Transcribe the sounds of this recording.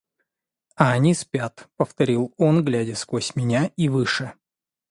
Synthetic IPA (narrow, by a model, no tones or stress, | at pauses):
ɐɐnʲispʲat̪pəft̪ɐɾʲilˠo̞nɡlʲædʲɪskosʲmʲɪnʲaivɨʂɨ